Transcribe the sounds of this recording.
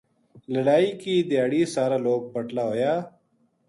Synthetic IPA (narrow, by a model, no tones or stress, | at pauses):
ləɽaːiːkiːd̪ɪjaːɽiːsaːɾaːloːɡ̚pəʈlaːɦoːjaː